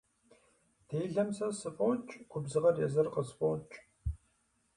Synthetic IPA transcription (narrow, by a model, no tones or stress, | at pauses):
dʰeːɮɐmsɐsɨfʼɔt͡ʃʼkʷʰʊbzɨʁɐrjɛzɐrqəzfʼɔt͡ʃʼ